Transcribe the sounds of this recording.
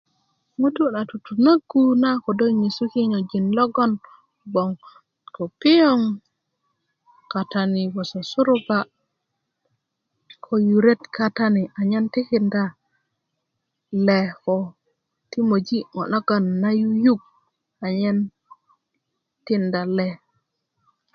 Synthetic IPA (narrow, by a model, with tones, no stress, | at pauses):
ŋu˦tu˦na˨tu˨tu˨na˦ɡu˦na˦ko˨do˦ɲi˨su˦ki˦ɲo˨d͡ʒi˨nlo˦ɡo˦n | bo˨ŋ | ko˨pi˦jo˦ŋ | ka˨ta˨ni˨bo˨so˨su˦ɾu˦ba˦ | kʰo˨ju˨ɾe˦tka˨ta˦ni˨a˨ɲe˦nti˦ki˨nda˨ | le˨ko˨ | ti˦mo˨d͡ʒi˦ŋo̰˨na˦ɡa˨nːa˦ju˦ju˦ɡ̚ | a˨ɲe˦n | ti˦nda˨le˦